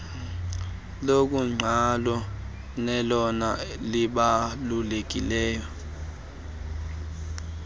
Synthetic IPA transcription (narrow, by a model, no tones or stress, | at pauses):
lok̬ʼuŋ͡ǀʱalɔ | nɛlɔnaliɓalulek̬ʼḭlɛːjɔ